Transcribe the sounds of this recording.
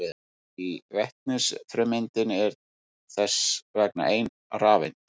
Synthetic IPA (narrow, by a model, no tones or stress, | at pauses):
ɪ | ivɛht̪̚nʏsfɾɛmɪnt̪ɪnɛɾ | θɛsvɛkna̰ʔeːjn | raːvɪ̰n